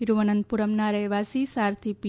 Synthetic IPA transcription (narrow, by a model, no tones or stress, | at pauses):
iɾuʋɐnɐnpuɾɐmnaːɾɐjʋaːsiːsaːɾt̪ʰipi